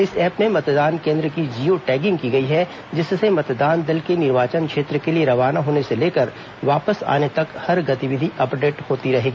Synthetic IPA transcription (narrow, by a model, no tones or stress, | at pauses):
ɪsɛːpnemɐt̪d̪aːnkẽːnd̪ɾəkid͡ʒiːoʈɛːɡɪ̃ŋɡ̚kiɡɐiɦɛ | d͡ʒɪssemɐt̪d̪aːnd̪ɪlkenɪɾʋaːt͡ʃənkʃeːt̪ɾəkelieɾɐʋaːnaɦoːneseleːkəɾ | ʋaːpəsa̰ːnet̪ɐkhɐɾɡɐt̪iʋɪd̪ʱiʔɐpɖeːʈhoːt̪iɾɐɦeːɡiiː